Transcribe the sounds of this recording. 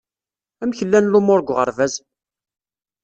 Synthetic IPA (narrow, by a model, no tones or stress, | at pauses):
æmçəlːænlumʊɾɡʷʁə̰ɾˤvæz